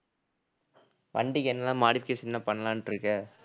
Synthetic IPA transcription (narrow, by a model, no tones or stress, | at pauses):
ʋɐ̰ɳɖɪkːɛnːɐlːãːmaːɽɪfɪkeːʂɪnːãpɐɳːɐlãːnʈɾɯkːɐ